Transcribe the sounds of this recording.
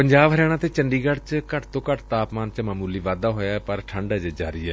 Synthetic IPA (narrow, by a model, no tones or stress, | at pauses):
pəɲd͡ʒaːbɦəɾɛːɽ̃ãːt̪eːt͡ʃəɳɖiːɡəɽt͡ʃkəʈt̪õːkəʈt̪aːpmaːnt͡ʃmaːmuːliːʋaːd̪aːɦoːjaːpəɾʈʰəɳɖaːd͡ʒəd͡ʒa̰ːɾiːɛ̰ː